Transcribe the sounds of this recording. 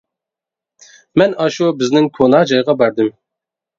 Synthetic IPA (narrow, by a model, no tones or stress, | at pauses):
mɛnɑʃubɪznɪŋkʰonɑd͡ʒɑjʁɑbæɾd̪ɪm